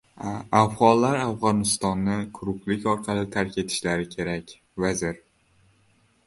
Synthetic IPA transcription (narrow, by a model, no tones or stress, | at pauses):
afʁɒlˠːaɾafʁɒnɪst̪ɒnːɪkʰʊɾʊqlɪkʲɒɾqʰɑlˠɪt̪ʰaɾkʲʰe̞t̪ʰɪ̥ʃlaɾɪkʲʰe̞ɾakʲ | vazɪɾ